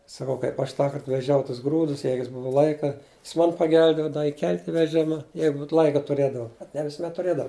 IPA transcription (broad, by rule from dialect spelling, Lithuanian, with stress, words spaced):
sɐˈkɐʊ kɐɪp ɐʃ ˈtɑːkɐrt ʋʲɛˈʒʲɛʊ tʊs ˈɡruːdʊs ˈjɛɪɡʊ jɪs ˈbʊʋʊ ˈlˠɐɪkɐ jɪs ˈmoːn pɐˈɡʲɛlʲbʲeːdɐʋoː ɪˈkʲɛlʲtʲ ɪ ʋʲɛˈʒʲɪmɐ ˈjɛɪɡʊt ˈlˠɐɪkɐ tʊˈrʲeːdɐʋɐ nʲɛ ʋʲɪsʊˈmʲɛt tʊˈrʲeːdɐʋɐ